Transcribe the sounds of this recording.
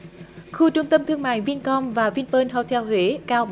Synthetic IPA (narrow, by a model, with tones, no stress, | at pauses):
xu˧t͡ɕʊ˧ŋ͡mt̪ə˧mt̪ʰɨ˧əŋma̰ː˧˨jvi˧ənkɔ˧mvaː˨˩vi˧ənpəː˧nɦə˧˩wt̪ʰɛ˧whwe˨˦kaː˧w